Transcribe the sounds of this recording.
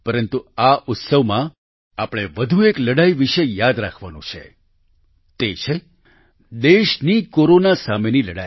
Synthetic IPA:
pəɾənt̪uaʔʊt̪səʋmã | apəɽ̃eʋəd̪ʱuekləɽajʋiʃəjad̪ɾakʰʋanṵ̃t͡ʃʰḛ | t̪et͡ʃʰe | d̪eʃnikoɾonasameniləɽa̰

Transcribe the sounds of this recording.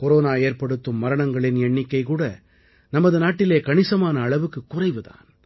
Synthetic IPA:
kɔɾoːnaːeːɾpɐɽɯt̪ːɯmːɐɾɐɳɐŋɡɐɭɪnɛɳːɪkːɐɪkuːɽɐ | nɐmːɐðɯnaːʈːɪleːkɐɳɪsɐmaːnɐːɭɐʋɯkːɯkːʊrɐɪʋɯða̰ːn

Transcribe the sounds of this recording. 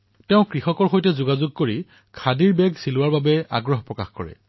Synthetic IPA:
tɛʊ̃kɹixɔkɔɹxojtɛzʊɡazʊɡ̚koɹi | kʰadiɹbɛɡsilʊwaɹbabɛa̰ɡɹɔɦpɹɔkaxkɔɹɛ̰

